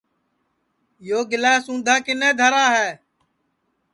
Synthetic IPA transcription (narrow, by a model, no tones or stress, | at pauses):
joːɡɪlaːsũːnd̪ʱaːkɪnɛ̃ːd̪ʱəɾaːɦɛː